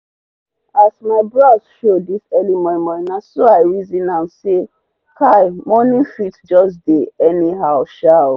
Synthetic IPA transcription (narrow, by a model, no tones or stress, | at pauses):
asmaɪbɹasʃodisɛlimɔ̃mɔ̃inãsoaɪɹizĩnãnse | kʰajmɔnĩfitd͡ʒɔsdeɛniɦaʊʃa